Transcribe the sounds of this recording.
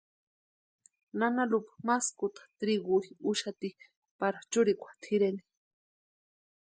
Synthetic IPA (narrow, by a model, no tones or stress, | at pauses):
nanalupḁmaskut̪ḁt̪ɾiɣuɾiuʃat̪i | paɾat͡ʃuɾikʷḁt̪ʰiɾeni̥